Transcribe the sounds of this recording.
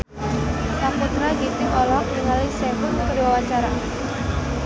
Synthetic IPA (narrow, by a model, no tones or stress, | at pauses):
samput̪ɾaɡit̪ɪŋɔlɔɦɔk̚diŋalɪsɛkʊnkdiwawat͡ʃaɾa